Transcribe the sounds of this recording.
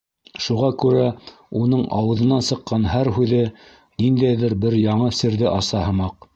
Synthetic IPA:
ʃuʁɑkʉɾæ | unɤɴɑ̰wɤ̆ðɤ̆nɑnsɤ̆qːɑnhæɾɦʉðɘ | nind̪æjðɘɾbɘɾjɑɴɤsɘ̆ɾðɘʔɑsɑhɤ̆mɑq̚

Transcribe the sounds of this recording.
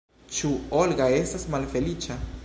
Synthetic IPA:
t͡ʃuolɡae̞stasmalfe̞lit͡ʃa

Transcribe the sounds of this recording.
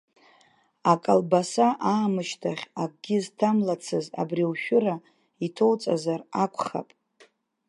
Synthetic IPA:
akʼalbasaʔaːmɨʃtʰaχʲak̚ʼɡʲɪztʰamlat͡sʰɨza̰briwʃᶣʊɾa | itʰo̞wt͡sʼazarakʷʰʼχa̰pʼ

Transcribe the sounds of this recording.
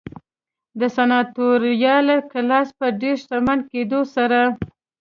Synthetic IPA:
d̪əsanɑt̪oɾjɑlakalɑspəɖeɾʃt̪amanked̪osaɾa

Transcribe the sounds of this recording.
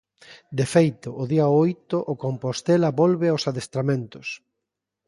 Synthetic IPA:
d̪efejt̪ʊːðiɐojt̪ʊʔːkompost̪elɐβolβɪaosaðest̪ɾamẽnt̪ʊs

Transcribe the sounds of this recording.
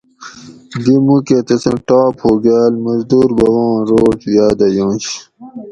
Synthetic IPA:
d̪imũket̪ɐsɐ̰̃ʈaːphoːɡaːlmɐzd̪uːɾbɐwãːɾoːʈjaːd̪ɐjõːɕ

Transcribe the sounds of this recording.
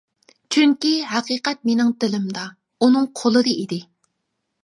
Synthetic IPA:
t͡ʃʰyŋkʲiɦæqiːqɛt̪̚menɪŋd̪ɪlɪmd̪ɑ | unɨŋqʰolˠɨd̪ɨid̪ɪ

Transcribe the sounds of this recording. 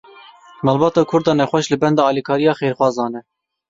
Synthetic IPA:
mɑlbɑːt̪ɑːkʰʊɾd̪ɑːnɛxʷɛʃlɨbɛnd̪ɑːɑːlikʰɑːɾijɑːxeːɾxwɑːzɑːnɛ

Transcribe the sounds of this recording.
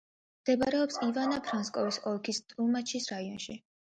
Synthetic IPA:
md̪̥ɛbaɾɛɔpsivanapʰɾanskʼɔvisɔlˠkʰist̪ʼumat͡ʃʰisɾaiɔnʃi

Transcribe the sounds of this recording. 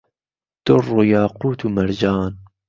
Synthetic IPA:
d̪̥ʊrːujaːquːt̪ʰumɐɾd͡ʒaːn

